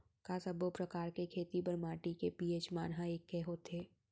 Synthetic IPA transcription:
kaːsɐbopɾɐkaːɾkekʰeːt̪ipɐɾmaːʈikepiːeːt͡ʃmaːnɦaeːkːeɦoːt̪eː

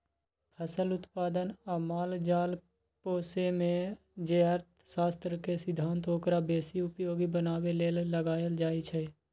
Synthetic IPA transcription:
pʰəsəlʊt̪paːd̪ənaːmaːld͡ʒaːl | poːsemẽ | d͡ʒeːaːɾt̪̚ʰsaːst̪ɾəkesɪd̪ʱːãːnt̪oːkɾabeːsiʊpjoːɡibənaːweleːlːəɡaːjəld͡ʒaːit͡ʃʰɛ

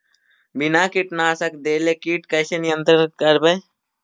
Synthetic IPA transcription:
binaːkiʈnaːsɐkd̪eːlekiːʈkɐjsenijənt̪ɾənət̪̚kɐɾbɐj

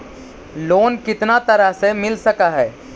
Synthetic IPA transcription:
loːnkɪt̪nat̪ɐɾəɦsemɪlsɐkaɦɛː

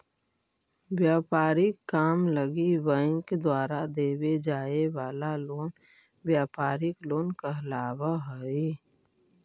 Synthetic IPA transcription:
wjaːpaːɾɪkːaːmləɡiwə̃ːɪŋked̪waːɾad̪eːwed͡ʒaːewaːlaloːn | wjaːpaːɾɪkloːnkaɦəlaːwaɦoi

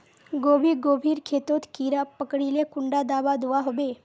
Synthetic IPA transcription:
ɡobʱiːɡobʱiːɾkʰet̪ot̪kiɾapəkɽiːlekuɳɖad̪aʋad̪uʋaɦobe

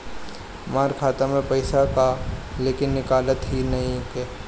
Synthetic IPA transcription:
maːɾkʰaːt̪amẽpɐɪsakaleːkɪnːɪkaːlət̪ɦinɐɦĩkɛː

